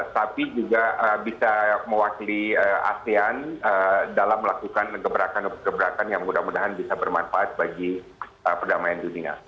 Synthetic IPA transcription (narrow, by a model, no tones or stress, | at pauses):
t̪apid͡ʒuɡaəbisaməwakiliəa̰seanədalaməlakukankəbəɾakanuɡəbəɾakanjaŋmudahmudaɦanbisabərmanfaʔat̪̚baɡi | əpərdamajandunia̰